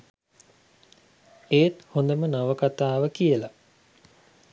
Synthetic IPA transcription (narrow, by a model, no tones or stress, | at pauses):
eːt̪hond̪əmənaʋəkat̪aːʋəkijəla